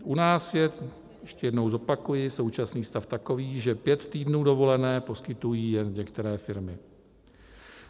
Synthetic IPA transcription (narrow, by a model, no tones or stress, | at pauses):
ʔunaːsjɛ | jɛʃcɛjɛdno̞wzo̞pakujɪso̞wt͡ʃasniːst̪aft̪ako̞viːʒɛpjɛt̪t̪iːdnuːdo̞vo̞lɛnɛːpo̞skɪt̪ujiːjɛnɲɛkt̪ɛɾɛːfɪɾmɪ